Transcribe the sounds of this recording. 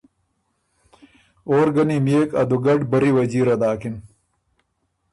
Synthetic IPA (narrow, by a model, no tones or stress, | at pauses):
oːɾɡɐnimjeːkɐ̰d̪uɡɐɖbɐɾiwɐd͡ʑiːɾɐd̪aːkin